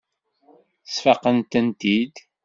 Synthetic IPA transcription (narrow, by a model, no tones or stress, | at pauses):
θsfɑqənt̪ənt̪id̪